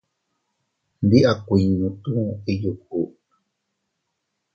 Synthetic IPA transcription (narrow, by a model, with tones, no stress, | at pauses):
nd̪i˦ʔa˦ku˧i˨ɲũ˧t̪ũ˦i˦ju˧ku˨ʔ